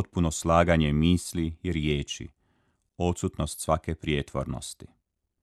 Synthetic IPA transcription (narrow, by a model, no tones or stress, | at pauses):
t̪̚punoslaːɡaɲe̞miːslijeɾjeːt͡ʃḭ | o̞t̪sut̪nost̪sʋake̞pɾjet̪ʋo̰ɾno̰st̪i